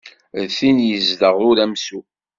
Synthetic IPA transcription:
ðθinjəzdəʁʊɾæmsu

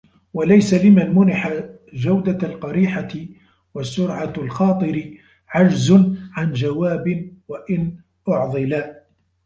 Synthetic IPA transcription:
walajsalɪmanmʊnɪħa | d͡ʒawd̪alqɑɾiːħaɪ | wasːʊɾʕalxɑːt̪ˤɨɾɪ | ʕad͡ʒzʊʕand͡ʒawaːbɪnwaʔɪn | ʔʊʕd̪ˤɨlaː

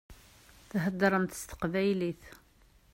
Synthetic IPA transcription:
θɦəd̪ːɾˤəmt̪ə̥st̪ə̥qvæjliθ

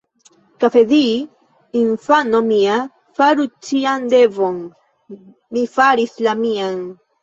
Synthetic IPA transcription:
kafediː | infano̞mia | faɾut͡ʃiand̪e̞vo̞n | mifaɾislamian

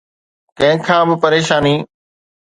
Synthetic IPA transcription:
kɐ̃ɦɪ̃kʰãːbɪpəɾeːʃaːniː

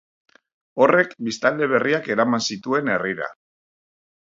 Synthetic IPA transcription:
o̞re̞kbist̪ald̪e̞β̞e̞riake̞ɾamansit̪ue̞ne̞riɾa̰

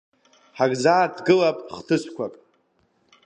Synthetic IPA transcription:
ħaɡʼzaːdɡɨlapʼχtʰɨsʷkʷʰapʼ

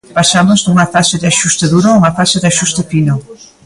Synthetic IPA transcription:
pasamoznuŋafasɪðɪaʃust̪aðuɾouŋafasɪðɪaʃust̪ɪpino

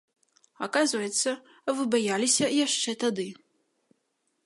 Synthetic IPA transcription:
akazvɐjɛt̪sːɐ | vɨbajalʲisʲɐjaʂt͡ʂɛt̪ad̪ɨ

